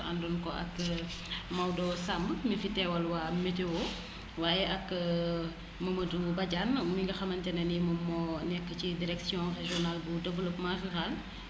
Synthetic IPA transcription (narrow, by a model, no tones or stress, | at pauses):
ɐ̰ndɔnkɔʔɐ̰k | mɐwdɔsambəmifitɛwɐlwaːmetewo | waːjɛʔɐk | mɐmətubɐɟanmiŋɡɐxɐmɐntɛnɛnimɐmːɔnɛkːəcidiɾɛksjɔ̃reʒiɔnalbudɐvələpmaʒiɾal